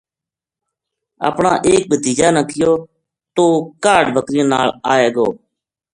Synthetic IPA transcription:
ə̰ːpɳa̰ːʔeːk̚bʱəd̪iːd͡ʒaːnəkɪjoː | t̪oːkaːɖbəkɾĩːnaːlaːeːɡoː

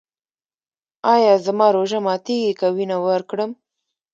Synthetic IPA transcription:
ɑjɑzamɑɾoʒamɑt̪eɡikawinawəɾkɽəm

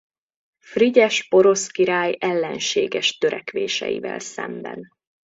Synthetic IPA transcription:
friɟɛʃpo̞ɾo̞skiɾaːjɛlːɛnʃeːɡɛʃt̪øɾɛkʋeːʃɛ̰jḭvɛlsɛmbɛn

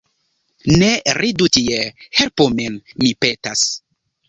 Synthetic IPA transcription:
neɾʔidutiehelpomenmipetas

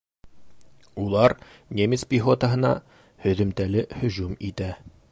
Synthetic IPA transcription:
ulˠɑɾnʲemʲɪspʲiχot̪əɦɤ̆nɑ̰ | hɵ̆ðɵ̆mt̪ælɘhɵ̆ʑumit̪æ

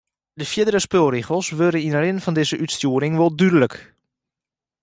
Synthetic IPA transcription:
dəfjɪdərəspølˠriɣəlˠsʋøɾəinəlɪnfɔndɪzəʔytstjuəɾɪŋʋolˠdydələk

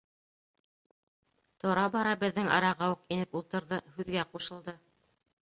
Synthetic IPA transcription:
t̪ŏɾɑbɑɾɑbɘ̆ðːɘŋɑ̰ɾɑʁɑuqinɘpulˠt̪ɤ̆ɾðɤhʉðɡæquʃɤ̆lˠd̪ɤ

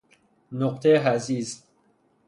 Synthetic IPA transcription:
noqt̪ʰeɦæziz

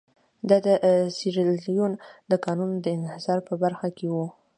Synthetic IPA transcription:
d̪ɑd̪əsiɾiljund̪əkɑnund̪əɪnhɪzɑɾpəbaɾxakʰewu

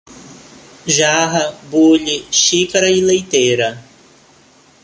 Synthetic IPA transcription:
ʒaɦɐbuʎiʃikaɾɐilejt̪ejɾɐ

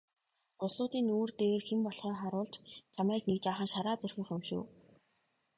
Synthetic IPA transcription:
ʊsʊːt̪iːnoːrt̪eːrxempɔɮχiːŋχaɾʊːɮt͡ɕt͡ɕʰamæːknek̚t͡ɕaːχə̆nʃaɾaːt͡sɵrxʲĭːχɵmʃṵː

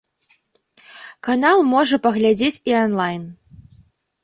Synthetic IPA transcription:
kanalˠmɔʐɐpɐɣlʲad͡zʲet͡sʲianlˠajn

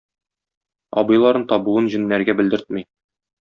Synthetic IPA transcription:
ɒ̰bɤ̆jlˠɑɾɤnt̪ɒbuɤnʑɘ̆nːæɾɡæbɘ̆ld̪ɘ̆ɾt̪̚mij

